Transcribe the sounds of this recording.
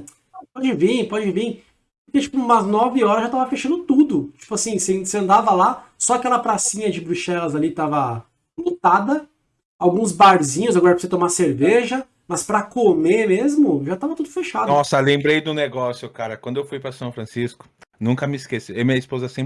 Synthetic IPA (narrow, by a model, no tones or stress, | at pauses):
pɔd͡ʒɪvĩpɔd͡ʒɪ̃vĩ | pʊɾket͡ʃi̥pʊũmɐznɔvɪɔɾɐzʒat̪avɐfeʃɐ̃nd̪ʊt̪ud̪ʊt͡ʃi̥pʊasĩseseɐ̃nd̪avɐlasɔakɛlɐpɾasĩɲɐd͡ʒɪbɾuʃɛlɐzalit̪avɐ | mot̪ad̪ɐ | awɡũzbaɾzĩɲʊzaɡɔɾɐpɾset̪omaseɾveʒɐ | mɐspɾɐkomemezmʊʒat̪avɐt̪ud̪ʊfeʃad̪nɔsɐlẽmbɾejd̪ʊneɡɔsjʊkaɾɐkw̃nd̪ʊewfujpɾɐsɐ̃w̃fɾɐ̃siskʊ̥nũŋkɐmɪiskesɪewmĩɲɐispozɐsẽ